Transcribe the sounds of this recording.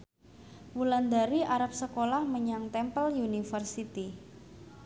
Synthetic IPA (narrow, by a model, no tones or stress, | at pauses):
wuland̪aɾiʔaɾap̚səkolahməɲaŋt̪ɛmpəljunifərsit̪i